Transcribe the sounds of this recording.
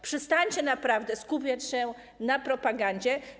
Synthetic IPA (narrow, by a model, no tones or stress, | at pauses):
pʂɨst̪aɲt͡ɕɛnapɾavd̪ɛskupʲjat͡ɕɕɛ | napɾɔpaɡaɲd͡ʑɛ